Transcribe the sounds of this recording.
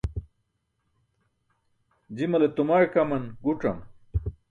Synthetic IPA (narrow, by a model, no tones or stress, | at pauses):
d͡ʑimɐlet̪umaɻkɐmɐnɡuʈ͡ʂɐ̰m